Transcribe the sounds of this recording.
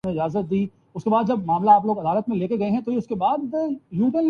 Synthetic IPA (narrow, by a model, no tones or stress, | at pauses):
eɪd͡ʒaːzət̪̚d̪iː | ʊskebaːd̪d͡ʒɐbmaːmlaːploːɡɐd̪aːlət̪mẽleːkeɡɐeɦɛ̃t̪ojeʊskebaːd̪juːkel